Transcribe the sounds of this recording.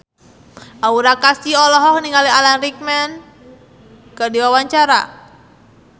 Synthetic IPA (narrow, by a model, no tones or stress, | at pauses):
ʔauɾakasiɔlɔɦɔk̚niŋalialanrik̚mɛn | kadiwawaɲt͡ʃaɾa̰